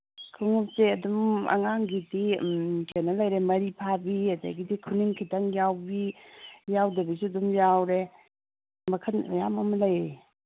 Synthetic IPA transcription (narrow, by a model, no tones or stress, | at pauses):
kʰɯŋup̚seɐdumɐ̰ŋaŋɡidikʰanɐlɐjɾemɐɾipʰabiɐda̰jɡidikʰuniŋkʰitaŋjawbijawdɐbisuɐdumjawɾe | mɐkʰɐnjamɐmɐlɐjɾe